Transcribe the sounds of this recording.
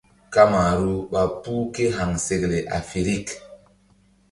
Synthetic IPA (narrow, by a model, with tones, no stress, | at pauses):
ka˦ma˨ɾu˦ɓa˨pu˦ke˦ɦa˨ŋse˨kle˨ʔa̰˨fi˨ɾi˦˨k